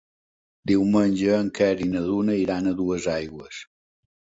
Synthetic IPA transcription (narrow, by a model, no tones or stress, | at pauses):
d̪iwmənʲd͡ʒəːŋkɛɾinəðunəiɾanəðuəzajɣwəs